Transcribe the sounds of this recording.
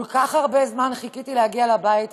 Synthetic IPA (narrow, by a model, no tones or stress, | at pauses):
lkaχhaʁbe̞zmanχikit̪ilehaɡialabait